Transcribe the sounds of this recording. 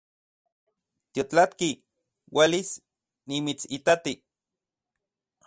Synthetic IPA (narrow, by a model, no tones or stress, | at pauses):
t̪jot͡ɬat̪ki | welis | nimit͡sit̪at̪i